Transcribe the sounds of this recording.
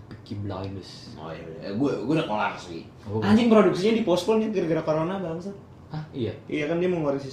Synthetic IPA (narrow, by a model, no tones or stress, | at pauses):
pkibla̰jnəso̰jaɡuaɡuadakola̰rsuɡḭ | aɲd͡ʒɪŋpɾoduk̚siɲadipɔspɔnɲakəɾəɡaɾakoɾonabaŋsa | aijaijakandiamoŋoɾiŋsi